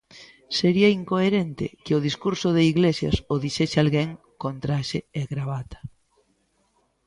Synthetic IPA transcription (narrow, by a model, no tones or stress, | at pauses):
seɾiɐiŋkoeɾent̪ɪ̰kɪoð̞iskuɾsoðeiɣlesjɐ̰soðiʃesalɣeŋ | kont̪ɾaʃeeɣɾaβat̪ḁ